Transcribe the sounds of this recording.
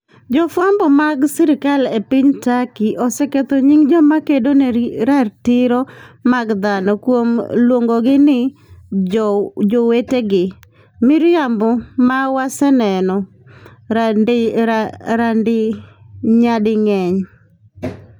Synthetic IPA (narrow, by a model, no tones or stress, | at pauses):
d͡ʒɔfambɔmaɡsiɾɪkalepiɲtakiʔɔsɛket̪oɲiŋd͡ʒɔmakedonɛɾartɪɾɔmaɡd̪anɔkwomlwoŋɡoɡɪnɪ | d͡ʒoweteɡɪ | mɪɾjambɔmawasɛnɛnɔ | ɾandɪ | ɲadɪŋɛɲ